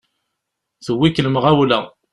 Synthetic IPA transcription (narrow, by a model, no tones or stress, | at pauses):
θəwːikːləmʁæwlæ